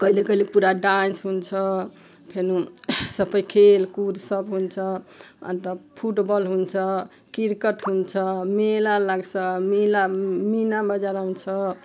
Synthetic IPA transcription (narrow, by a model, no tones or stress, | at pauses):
kʌɦilekʌɦilepuɾaɖansɦunt͡ʃʰʌ | pʰenũsʌpəjkʰelkuɾsʌbɦunt͡ʃʰʌʌ̰nt̪əpʰuʈbəlɦunt͡ʃʰʌ | kiɾkəʈɦunt͡ʃʰʌmelalaɡsʰʌmilaminabəd͡ʒaɾaɦunt͡ʃʰʌ